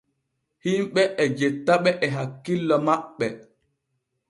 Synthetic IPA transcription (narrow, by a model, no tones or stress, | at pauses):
himɓɛʔɛd͡ʒɛtːaɓɛʔɛɦakːilːɔmaɓːɛ